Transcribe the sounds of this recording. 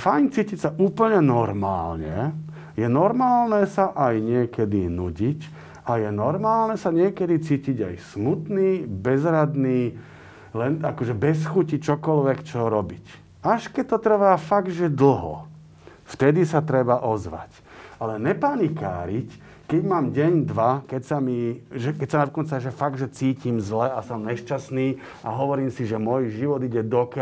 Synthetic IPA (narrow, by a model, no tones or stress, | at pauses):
fajɲt͡siːcicsaʔuːpl̩ɲɛnɔɾma̰ːlɲɛ̰ | jɛnɔɾmaːlnɛsaʔajɲɪɛkɛd̪inuɟic | ajɛnɔɾmaːlnɛsaɲɪɛkɛd̪it͡siːciɟa̰jsmut̪niːbɛzɾad̪niː | lɛnakɔʒɛbɛs̬xucit͡ʃɔkɔlʋɛkt͡ʃɔɾɔbic | aʃkɛc̚t̪ɔt̪r̩ʋaːfaɡ̪ʒɛd̪l̩ɦɔ̰ | ft̪ɛd̪isat̪ɾɛbaʔɔzʋa̰c | alɛɲɛpanika̰ːɾic | kɛɟmaːmɟɛɲd̪ʋakɛcsamiʒɛkɛcsanad̪kɔnt͡saʒɛfaɡ̪̚ʒɛt͡siːcimzlɛasɔmɲɛʃt͡ʃasniː | a̰ɦɔʋɔɾiːmsiʒɛmɔjʒiʋɔd̪iɟɛd̪ɔkɛ